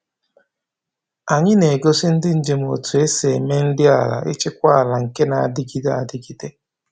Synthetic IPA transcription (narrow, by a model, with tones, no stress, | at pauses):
a˨ɲɪ˦ne˨ɡo˦sɪ˦n̩˦dɪ˦n̩˨d͡ʒe˨m˨o̰˨tu˨e˦se˨e˨me˦n̩˦dɪ˦a̰˨la̰˨ʔɪ̰˦t͡ʃɪ˦kʷa˦a˨la˨ŋ̩˨ke˦na˨a̰˨dɪ˦ɡi˦da̰˨dɪ˦ɡi˨de˦